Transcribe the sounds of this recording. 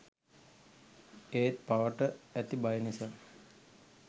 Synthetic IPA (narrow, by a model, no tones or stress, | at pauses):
eːt̪̚paʋəʈəæt̪ibajnisaː